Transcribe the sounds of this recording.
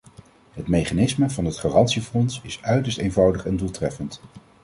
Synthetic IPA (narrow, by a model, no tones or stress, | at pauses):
ɦətmejχanɪsməvɑnɦətχaːrɑntsifɔnsɪsœɥtəɹstejnvɑwdəχɛndulˠtrɛfənt